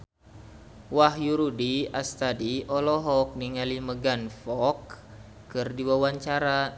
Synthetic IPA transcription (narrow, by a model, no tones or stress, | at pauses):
wahjuɾudiast̪adiʔɔlɔɦɔk̚niŋaliməɡanfɔkː | ɨrdiwawaɲt͡ʃaɾa